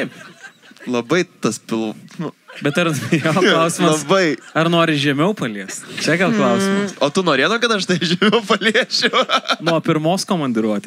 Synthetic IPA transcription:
t̪ɐɪp | lˠɐbɐɪt̪ɐspʲɪlˠnʊbʲɛt̪ɐɾjoːlʊsʲɪmɐɐbɐɪɐɾnoːɾʲɪʒʲɛmʲɛʊpɐlʲiɛstt͡ʃʲɛɡʲɛlˠklˠɐʊsʲɪmɐsoːt̪ʊnoːɾʲeːd̪oːkɐt̪ɐʃt̪ɐɪʒʲɛmʲɛʊpɐlʲiɛʃʲɛʊnupʲɪɾmoːskoːmɐnʲd̪ʲɪɾuɔt̪ʲ

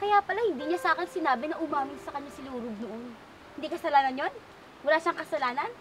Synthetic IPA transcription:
kɐjaːpɐlɐhɪnd̪iːɲasaːkɛnsɪnaːbɪnɐʔʊmaːmɪnsɐkɐɲɲasɪluːɾob̚noʔon | hɪnd̪iːkɐsɐlaːnɐnjon | wɐlaːʃaŋkɐsɐlaːnɐn

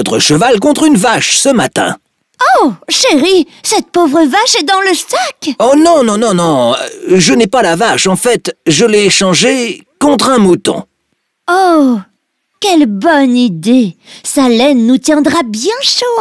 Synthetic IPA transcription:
ɔt̪χəʃəvalk̬ɔ̃t̪χynvaʃsəmat̪ɛ̰̃ | oʃeʁisɛt̪̚povʁəvaʃɛd̪ɑ̃ləsakonɔ̃nɔ̃nɔ̃nɔ̃ʒənɛpalavaʃɑ̃fɛt̪ʒəlɛʃɑ̃ʒekɔ̃t̪χɛ̃mut̪ɔ̰̃ | o | kʲɛlbɔnid̪esalɛnːut̪jɛ̃d̪ʁabjɛ̃ʃo

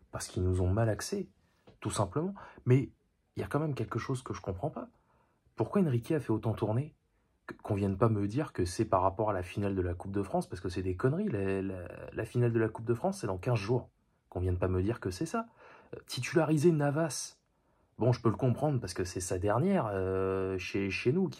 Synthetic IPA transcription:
paʁsə̥kilnuzɔ̃malaksɛ | t̪usɛ̃pləmɑ̃mɛ | iljakɑ̃mɛmkʲɛlkəʃozkəʒəkɔ̃pχɑ̃pa | puʁkwaɛnʁikʲeafɛot̪ɑ̃t̪uʁne | kɔ̃vjɛ̃npaməd̪iʁkəsɛpaʁːapɔʁalafinald̪əlakup̚d̪əfχɑ̃spaʁsəkəsɛd̪ekɔnʁilala̰la̰finald̪əlakup̚d̪əfχɑ̃sːɛd̪ɑ̃kʲɛ̃zʒuːʁ | kɔ̃vjɛ̃npaməd̪iʁkəsɛsat̪ʰit̪ylaʁizenavas | bɔ̃ʒəpøləkɔ̃pχɑ̃d̪ʁpaʁsə̥kəsɛsad̪ɛʁnjɛʁøʃeʃenukʲ

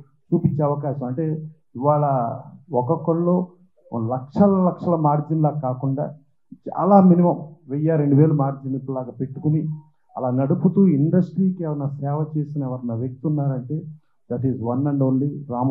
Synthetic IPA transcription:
t͡ʃuːpiɲt͡ʃeɐʋɐkaːʃɐmɐɳʈe̞ː | iʋaːɭɐɔkɔkɐɭlo̰ː | lɐkʂɐlɐlɐkʂɐlɐmaːɾd͡ʒinlaːkaːkuɳɖa̰ː | t͡ʃa̰ːɐlaːminimɐmʋɛjːaːɾe̞ɳɖuʋe̞ːlumaːɾd͡ʒinipuɽlaːɡɐpe̞ʈːukuni | ɐ̰laːnɐɽuput̪uːiɳɖɐsʈɾiːkɛʋɐnɐsɛːʋɐt͡ʃe̞ːsinɐɛʋɐɾɐnɐʋek̚t̪unːaːɾɐɳʈe̞ː | d̪ɐʈizʋɐnːɐɳɖuɳɖiɾaːm

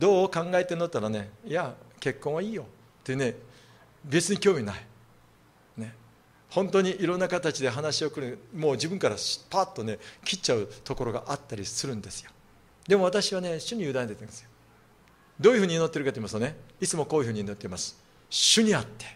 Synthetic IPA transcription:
d̪o̞ːkãŋɡae̞t̪enot̪ːaɾane̞jake̞kːõ̞ɰ̃βaiːjo̞ | t̪ːeɯne̞ | be̞t͡sɨɲ̟ikʲo̞ːmʲina̰i | ne̞ | hõ̞nt̪oɲ̟iʔiɾõ̞nːakat̪at͡ɕid̪e̞ɦanaɕio̞kɯ̟ɾɯmo̞ːd͡ʑibɯ̟̃ŋkaɾapaːt̪ːo̞ne̞kʲit͡ɕːaɯ̟t̪o̞ko̞ɾo̞ɡa̰ʔat̪ːaɾʲisɨɾɯ̟̃nd̪e̞sɨ̥jo | d̪e̞mo̞β̞at̪aɕiβane̞ɕɨɲ̟ijɯd̪ãnt̪et̪ːẽnd̪esɨjo̥ | d̪o̞ːjɯ̟ɸɯ̟ːɲ̟ino̞t̪ːe̞ɾɯ̟kat̪oimasɨ̥t̪one̞it͡sɨmo̞ko̞ːjɯ̟hɯ̟ɲinot̪ːeimasɨ̥ | ɕɨɲ̟iat̪ːe̞̥

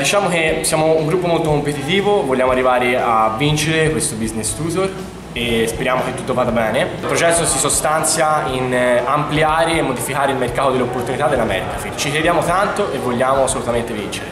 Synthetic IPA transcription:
d̪it͡ʃaːmokesjaːmouŋɡɾupːomolt̪okompet̪it̪iːvovoʎːaːmoarːivaːɾeavːint͡ʃeɾekwest̪obiznest̪uːt̪oɾ | espeɾjaːmok̟et̪ːut̪ːovaːd̪abɛːneilpɾot͡ʃɛsːosisost̪ant̪sjainampliaːɾeːmːod̪ifikaːɾeilmerkaːt̪od̪elːeopːort̪unit̪ad̪ːelːamɛ̰ɾd̪afit͡ʃikɾed̪jaːmot̪ant̪oʔevːolʎːaːmoasːolut̪ament̪evint͡ʃeɾe

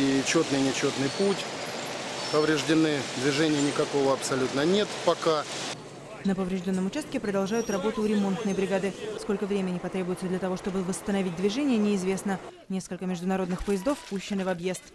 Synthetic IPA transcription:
it͡ɕo̞t̪nɨjnʲɪt͡ɕo̞t̪nɨjputʲ | pəvɾʲɪʐdʲɪnɨd̪vʲɪʐɛnʲɪjənʲɪkɐkovəɐpsɐlʲut̪nənʲe̞t̪pɐka | nəpəvɾʲɪʐdʲo̞nːəmʊt͡ɕast̪̚kʲɪpɾəd̪ɐlˠʐajʊt̪rɐbo̞t̪ʊɾʲɪmo̞nt̪nəjbɾʲɪɡad̪ɨsko̞lʲkəvɾʲemʲɪnʲɪpɐt̪ɾʲebʊjɪt̪səd̪lʲɐt̪ɐvo̞ʂt̪o̞bɨvəst̪ənɐvit̚ʲd̪vʲɪʐɛnʲɪjənʲɪɪzvʲe̞snənʲe̞skəlʲkəmʲɪʐd̪ʊnɐɾo̞d̪nɨxpəjɪzd̪o̞fpuɕːɪnɪvɐbje̞st̪

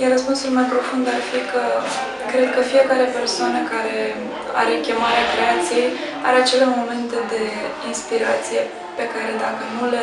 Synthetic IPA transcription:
jeɾəspunsulmajpɾo̞fund̪arfikə | kɾe̞d̪̚kəfije̞kaɾe̞pe̞rsoanəkaɾe̞ | a̰ɾekʲe̞maɾeakɾe̞at̪sije̞j | a̰ɾeat͡ʃe̞lamo̞me̞nt̪ed̪e̞inspiɾat̪sije̞ | pe̞kaɾe̞d̪akənule

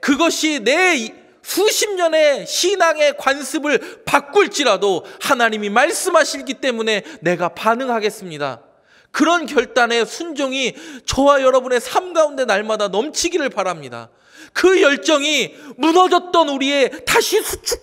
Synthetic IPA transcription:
kɯɡʌɕʰine̞ | sʰuɕʰimɲʌne̞ɕʰinaŋe̞kwansʰɯbɯɭpak͈̚uɭt͡ɕ͈iɾadohanaɲimimaɭs͈ɯmɦaɕʰiɭkit͈e̞mune̞ne̞ɡapanɯŋɦaɡe̞s͈ɯmɲida̰ | kɯɾʌnkjʌɭt͈ane̞sʰund͡ʑoŋit͡ɕʌwajʌɾʌbune̞sʰamɡaunde̞naɭmadanʌmt͡ɕʰiɡiɾɯɭpaɾamɲida̰ | kɯjʌɭt͡ɕ͈ʌŋimunʌd͡ʑʌt̚t͈ʌnuɾie̞taɕʰisʰut͡ɕʰu

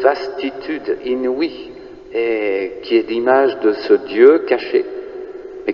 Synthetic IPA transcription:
vast̪it̪ʰyd̪inwi | ekʲʰiɛlimaʒd̪əsəd̪jøkaʃe | mɛ

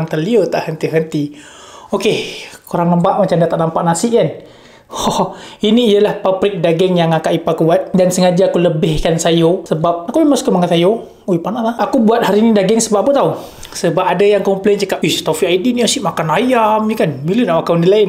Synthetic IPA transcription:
ŋt̪ərliot̪aʔhənt̪iɦənt̪i | okekoɾaŋləmpaʔmat͡ʃamdat̪aʔnampaʔnasɪʔkan | hɔiniːjalahpapɾɪk̚daɡɛŋjaŋakaʔipakuwat̪̚dansəŋad͡ʒaːkuləbɪhkansajosəbap̚akubimaskəmaŋat̪ajo | uipanaʔt̪aakubuat̪̚haɾiːnidaɡɛŋsəbap̚apət̪au | səbap̚adajaŋkɔmplent͡ʃəkap̚i̥t̪ofiaidiniasiʔmakanajamjəkanbilunawakawnilaɪn

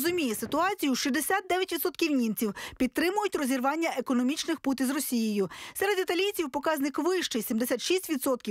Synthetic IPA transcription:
zʊmʲijesɪt̪ʊɑt͡sʲijʊʃid̪esʲat̪̚d̪ɛʋʲjɐtʲʋʲid̪sɔt̪kʲiwnʲint͡sʲiwpʲidt̪ːɾɪmʊjʊtʲrɔzʲirʋɑnʲːɐʔekɔnɔmʲit͡ʃnɪxput̪ʲizrɔsʲijɪjʊsɛɾed̪it̪ɐlʲit͡sʲiwpɔkɑzʲnɪkʋɪʃt͡ʃɪjsʲimd̪esʲat̪ʃisʲtʲʋʲid̪sɔt̪̚kʲi

